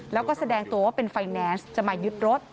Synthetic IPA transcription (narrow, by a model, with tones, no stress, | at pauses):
lɛː˨˦˥wkɔː˥˩sa˧dɛː˧˩ŋt̪u˩˦ə˦pe˧nfaː˧jnɛː˧˥nst͡ɕa˧˩maː˧jzɯ˦˥t̪̚ɾo˦˥t̪̚